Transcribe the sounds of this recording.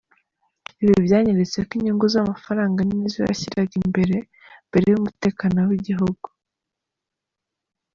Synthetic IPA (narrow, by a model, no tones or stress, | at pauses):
iβiivjaːɲeɾet͡sekiɲiːŋɡozamafaɾaːŋɡaninizo̰ja̰çiɾaɡimbe̞ɾe̞ | mb̥e̞ɾe̞jumute̞ːkanowiɟiɦuɡ̥u̥